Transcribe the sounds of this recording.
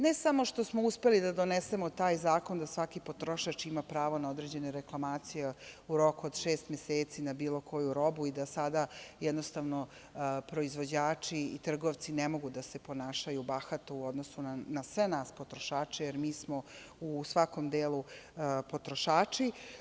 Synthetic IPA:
nesamo̞ʃt̪o̞smouspe̞lid̪ad̪o̞nese̞mo̞t̪aːjzaːko̞nd̪asʋakipot̪ɾo̞ʃat͡ʂimapɾaːʋo̞nao̞d̪ɾe̞d͡ʑe̞neɾeklˠamaːt̪sijeuɾo̞kuod̪ʃeːst̪mjeseːt̪sinabiːlo̞kʰo̞juɾo̞buid̪asad̪ajɛd̪nost̪aʋno̞ | pɾo̞izʋo̞d͡ʑaːt͡ʂḭːt̪r̩ɡoʋt̪sinemo̞ɡud̪asepo̞naːʃajubaxat̪uuo̞d̪nosunanasʋenaːspo̞t̪ɾoʃaːt͡ʂejeɾmiːsmo̞usʋako̞md̪eːlupo̞t̪ɾo̞ʃaːt͡ʂi

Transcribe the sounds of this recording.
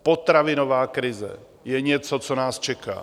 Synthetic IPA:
pot̪ɾavɪnovaːkɾɪzɛ̰ | jɛɲɛt͡sot͡sonaːst͡ʃɛka̰ː

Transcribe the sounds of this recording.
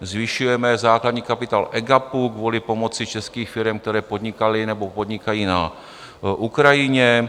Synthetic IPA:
zvɪʃujɛmɛzaːklad̪ɲiːkapɪt̪aːlʔɛɡapuɡvuːlɪpo̞mo̞t͡sɪt͡ʃɛskiːxfɪɾɛmkt̪ɛɾɛːpo̞d̪ɲɪkalɪnɛbo̞po̞d̪ɲɪkajiːna | ʔukɾajɪɲɛ

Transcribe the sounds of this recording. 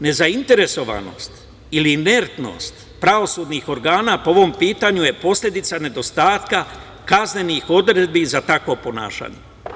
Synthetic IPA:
ne̞zaint̪e̞ɾe̞so̞ʋa̰no̰st̪ | iline̞ɾt̪no̞̰ːst̪ | pɾaʋo̞suːd̪nixo̞ɾɡaːnaːpoo̞ʋo̞mpiːt̪aɲuje̞po̞slʎʲe̞d̪it̪sane̞d̪o̞st̪aːt̪ka | kazne̞nixo̞d̪ɾe̞d̪̚bizat̪akʋo̞po̞na̰ːʃa̰ːɲe

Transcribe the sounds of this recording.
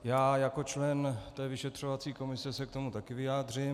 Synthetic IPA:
jaːjako̞t͡ʃlɛnt̪ɛːvɪʃɛt̪r̝̥o̞vat͡siːko̞mɪsɛsɛkt̪o̞mut̪akɪvɪjaːd̪r̝ɪm

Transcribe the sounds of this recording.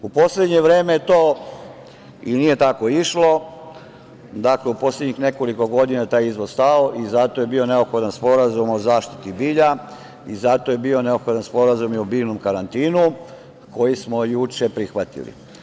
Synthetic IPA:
upo̞sled̪ɲe̞ʋɾe̞ːmeet̪oː | iniːje̞t̪ako̞iʃlo̞ | d̪akle̞upo̞sled̪ɲixne̞ko̞liko̞ɡo̞d̪inat̪aːjizʋozst̪aoʔizat̪o̞je̞biːo̞ne̞opxo̞d̪anspo̞ɾazumo̞zaːʃt̪i̥t̪ibiːʎa | izat̪o̞jebiːo̞ne̞opxod̪anspo̞ɾazumiobiːʋnomkaɾant̪iːnu | ko̞jismojut͡ʃepɾixʋat̪ḭlḭ

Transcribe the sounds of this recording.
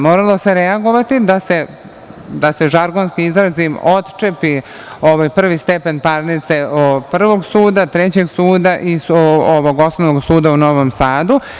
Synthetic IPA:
moːɾalˠo̞se̞ɾeaɡo̞ʋat̪id̪ase̞ | d̪ase̞ʒaɾɡo̞nskiizɾazimo̞t̪t͡ʃepi | o̞ʋajpr̩ʋist̪epe̞npaɾnit̪se̞opr̩ʋo̞ɡsuːd̪at̪ɾet͡ɕe̞ɡsuːd̪aʔisoʋoɡo̞snoʋoɡsuːd̪auno̞ːʋo̞msaːd̪u

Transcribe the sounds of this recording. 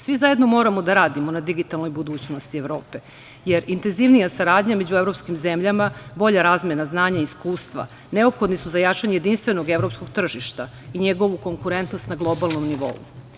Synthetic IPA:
sʋizaje̞d̪no̞mo̞ːɾamo̞d̪aɾaːd̪imo̞nad̪iɡit̪alˠno̞jbud̪uːt͡ɕno̞st̪ieʋɾo̞ːpe̞ | je̞ɾint̪e̞nziʋnijasaɾaːd̪ɲame̞d͡ʑuevɾo̞pskimze̞mʎamabo̞ʎaɾaːzmʲjenaznaːɲaiskuːst̪ʋa̰ | ne̞o̞pxo̞d̪nisuzajat͡ʂaɲejed̪inst̪ʋe̞noɡevɾo̞psko̞ɡt̪r̩ʒiʃt̪a | iɲeɡo̞ʋuko̞ŋkuɾe̞nt̪nost̪naɡlˠo̞balˠno̞mniʋo̞̰ṵ

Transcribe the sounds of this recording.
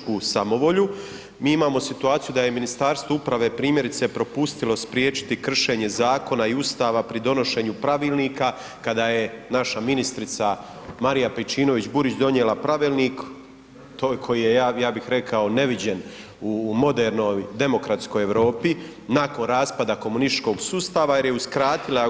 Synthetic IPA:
kuːsamo̞ʋo̞ʎu | miːimaːmo̞sit̪uaːt̪ijud̪aje̞minist̪aːɾst̪voupɾaʋe̞ːpɾiːmje̞ɾit̪se̞pɾo̞pust̪ilo̞spɾjeːt͡ʃi̥t̪ikr̩ʃe̞ːɲe̞zaːko̞naiust̪aːʋapɾid̪o̞no̞ʃe̞ːɲupɾaʋiːlˠniːka | kad̪aje̞naʃaminist̪ɾit̪sa | maɾijapet͡ʃiːno̞ʋit͡ɕbuɾit͡ɕd̪o̞njelapɾaʋiːlniːk | t̪ojkʰo̞jijejaːjaːbixɾe̞kʰao̞ne̞ʋid͡ʑe̞n | umo̞d̪eɾno̞jd̪e̞mo̞kɾat̪sko̞jeʋɾo̞ːpi | nako̞nɾaːspad̪ako̞munist͡ʃko̞ɡsuːst̪aːʋajeɾjeuskɾaːt̪ila

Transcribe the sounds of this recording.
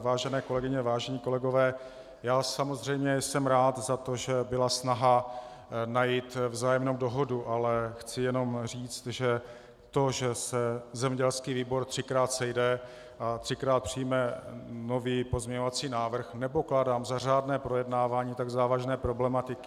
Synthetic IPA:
vaːʒɛnɛːkolɛɡɪɲɛvaːʒɛɲiːko̞lɛɡo̞vɛː | jaːsamo̞zr̝ɛjmɲɛjsɛmɾaːt̪zat̪o̞ʒɛbɪlasnaɦa | najit̪vzaːjɛmnowdo̞ɦoduʔalɛxt͡sɪjɛno̞mr̝iːt͡st̪ʒɛ | t̪o̞ʒɛsɛzɛmɲɛɟɛlskiːviːbo̞ɾt̪r̝̥ɪkɾaːt̪sɛjdɛ | ʔat̪r̥ɪkɾaːt̪̚pr̝̥ɪjmɛno̞viːpo̞zmɲɛɲovat͡siːnaːvr̩xnɛpo̞kladaːmzar̝aːdnɛːpɾo̞jɛdnaːvaːɲiːt̪aɡzaːvaʒnɛːpɾo̞blɛmat̪ɪkɪ̥

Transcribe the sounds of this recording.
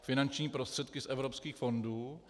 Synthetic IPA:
fɪnant͡ʃɲiːpɾost̪r̥ɛt̪kɪsʔɛvɾopskiːxfo̞nduː

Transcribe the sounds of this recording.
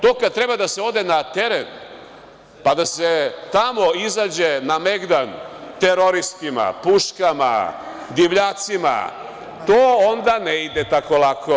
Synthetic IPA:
t̪oːkad̪̚t̪ɾe̞bad̪aseo̞d̪e̞nat̪e̞ɾen | pad̪aset̪amo̞izad͡ʑe̞name̞ɡd̪ant̪eɾo̞ɾist̪ima̰puʃkama̰ | d̪iʋʎaːt̪sima̰ | t̪oːond̪aneid̪et̪ako̞lakʰo

